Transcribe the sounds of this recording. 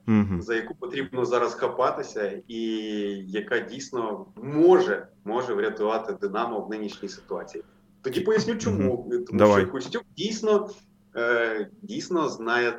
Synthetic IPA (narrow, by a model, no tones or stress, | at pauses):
zɐjɐkupɔt̪ɾʲibnɔzɑɾɐsxɐpɑt̪ɪsʲɐijɐkadʲijsʲnɔmɔʒɛmɔʒɛʋɾʲɐt̪ʊʋɑt̪ɪd̪ɪnɑmɔʋnɪnʲiʃnʲijsɪ̥t̪ʊɑt͡sʲiji | t̪ɔdʲipɔjɐsʲnʲut͡ʃɔmut̪ɔʃt͡ʃɔjkʊsʲtʲukdʲijsʲnɔ | dʲijsʲnɔznɑjɛ